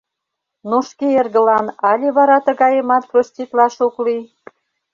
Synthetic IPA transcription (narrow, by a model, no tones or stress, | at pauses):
noʃkeerɣə̆lɑnɑlʲeβɑɾɑt̪ə̆ɣɑjə̆mɑt̪̚prosʲtʲit̪lɑʃukli